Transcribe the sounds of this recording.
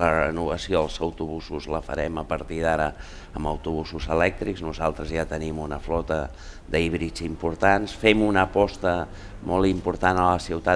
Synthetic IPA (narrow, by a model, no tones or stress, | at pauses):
ərənuβəsioəlˠzəwt̪uβusuzləfə̰ɾɛməpəɾt̪iðaɾə | əmbə̰wt̪uβusuzəlɛk̚t̪ɾikznuzalˠt̪ɾəzjat̪ənimunəflɔt̪ə | d̪əiβɾit͡simpuɾt̪ansfɛmunəpɔst̪ə | mɔlˠimpuɾt̪anələsiwt̪a